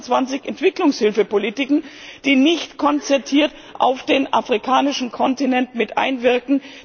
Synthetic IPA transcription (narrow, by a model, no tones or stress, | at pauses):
t͡sv̥ant͡sɪçʔɛntv̥ɪklʊŋshɪlfəpolitɪkn̩d̥iːnɪçtkʰɔnt͡sɛɐtʰiːɐt | ʔa̰ʊfd̥eːnʔafʁ̥ikʰaːnɪʃn̩kʰɔntinɛntmɪtʔa̰ɪnvɪɐkŋ̩